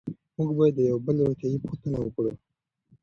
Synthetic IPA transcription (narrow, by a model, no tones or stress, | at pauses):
muɡbɑjed̪ːəjawbəlɾot̪jɑjipoxt̪ənawəkɽu